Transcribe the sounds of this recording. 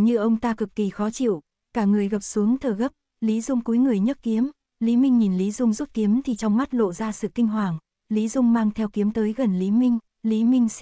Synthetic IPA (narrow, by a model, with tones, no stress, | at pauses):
ɲɨ˧ʔə˧wŋ͡mt̪aː˧kɨ˨˩kːi˨˩xɔ˨˦t͡ɕḭ˧˨w | kaː˧˩ŋɨ˨˩əjɣə˨˩p̚su˨˦əŋt̪ʰəː˨˩ɣə˦˥p̚ | li˨˦zʊ˧ŋ͡mku˨˦jŋɨ˨˩əjɲə˦˥t̚ki˨˦əm | li˨˦mï˧ŋ̟ɲi˨˩nli˨˦zʊ˧ŋ͡mzu˦˥p̚ki˨˦əmt̪ʰi˨˩t͡ɕɔ˧wŋ͡mma˦˥t̚lo̰˧˨zaː˧sɨ̰˧˨kï˧ŋ̟ɦwaː˨˩ŋ | li˨˦zʊ˧ŋ͡mmaː˧ŋt̪ʰɛ˧wki˨˦əmt̪əː˨˦jɣə˨˩nli˨˦mï˧ŋ̟ | li˨˦mï˧ŋ̟